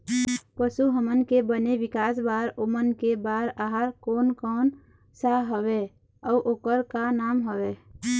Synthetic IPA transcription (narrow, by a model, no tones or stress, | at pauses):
pəsuɦəmənkebəneʋɪkaːsbaːɾomənkebaːɾaɦaɾkoːnkɔːn | saɦəwe | ɔːʔoːkəɾkanaːmɦəʋeː